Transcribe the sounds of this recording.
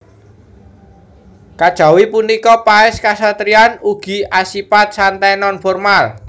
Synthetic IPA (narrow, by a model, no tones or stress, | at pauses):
kad̥ʒ̥a̤wipunikɔpaɪskasat̪ɾianuɡ̥i̤asipat̪̚sant̪anɔnfɔrmal